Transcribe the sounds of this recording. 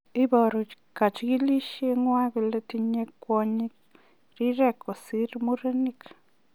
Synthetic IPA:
i˦bo˧ɾu˨ | ka˨t͡ʃɡi˦li˦ʃe˦˧ŋwa˦ɡi˧˨le˦t̪i˧ɲe˧kːwo˧ɲi˦k | ɾi˦ɾe˦˧ko˨si˦ɾmu˦ɾe˦ni˦k

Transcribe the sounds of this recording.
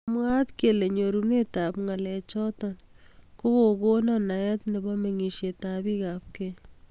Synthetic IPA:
mwa˦t̪kele˨ɲoɾunetapŋa˨lɛ˨t͡ʃɔtɔn | ko˦koɡo˦nɔ˦najɛ˦t̪ne˨bɔ˦me˨ŋi˨ʃjetabi˦kap̚ke

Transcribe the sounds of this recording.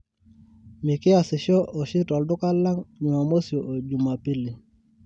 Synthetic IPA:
mi˨kɪ˦a˨sɪ˨ʃɔ˦ʔo˨ʃi˦tɔ˨ldʊ˦ka˦lːa˦ŋɲu˨ma˨mo˦sjo˨ʔo˨d͡ʒu˨ma˨pi˦li˨

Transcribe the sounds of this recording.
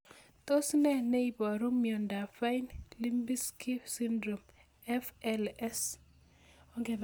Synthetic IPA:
t̪o˦snɛ˦ne˦ibɔ˨ɾu˦mjɔ˨nda˨fa˦inli˦mbi˦ski˦fsi˦ndɾo˨m | ɛfɛlɛ˦s | ɔ˦ŋɡe˨b

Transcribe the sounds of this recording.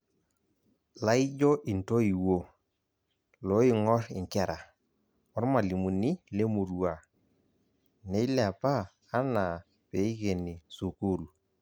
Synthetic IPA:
la˦i˦d͡ʒo˦ʔi˨nto˦i˨wo˦˨ | lo˨˦i˦˨ŋɔ˦rɪ̰˨ŋkɛ˦˨ɾa˨ | ɔ˨˦ɾma˨li˨mu˨ni˦le˦mu˨ɾu˨a˨ | ne˦i˦la˨paː˦ | na˨ | pe˨˦i˦ke˨ni˨su˨ko˦ɾu˨

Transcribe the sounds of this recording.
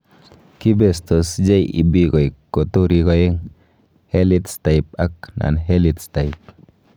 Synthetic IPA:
ki˦be˨st̪o˨sd͡ʒe˦jḭ˨bi˦ɡo˨i˨kːo˨tu˦ɾi˨˦ɡo˨je˦ŋ | he˦li˦tsta˨i˨p̚a˦kna̰˨nɦe˦li˨tsta˨ji˨p̚

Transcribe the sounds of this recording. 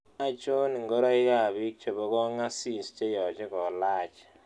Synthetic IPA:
a˦t͡ʃo˦ni˨ŋɡɔ˦ɾa˦ɪ˦ka˨βi˦k̚t͡ʃo˨bɔ˦kɔ˦ŋa˦si˦˨st͡ʃe˦jɔ˨t͡ʃɛ˦kɔ˨laː˦˨t͡ʃ

